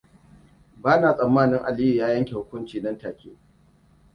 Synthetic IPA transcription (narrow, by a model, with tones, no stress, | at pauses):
baː˦naː˨sʼɐ˨mːaː˦nɪ˦ŋʔa˨li˦ju˨jaː˦jɐ˦ŋkʲe˨hʊ˦kʷʊ˦nt͡ʃiː˨nɐ˦ntaː˨kʲḛː˦